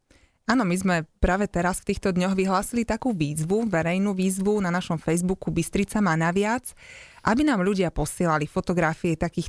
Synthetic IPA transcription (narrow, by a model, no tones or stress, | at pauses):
aːnɔmizmɛpɾaːʋɛt̪ɛɾasft̪iːxt̪ɔd̪ɲɔɣʋiɦlaːsilit̪akuːʋiːzʋuʋɛɾɛjnuːʋiːzʋunanaʃɔmfɛjzbukubist̪ɾit͡samanaʋɪat͡s | ʔabinaːmʎuɟɪapɔsɪɛlalifɔt̪ɔɡɾafiɛt̪akiːx